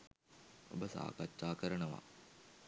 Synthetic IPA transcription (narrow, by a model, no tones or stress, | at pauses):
o̰bəsa̰ːkatːaːkəɾənəʋa̰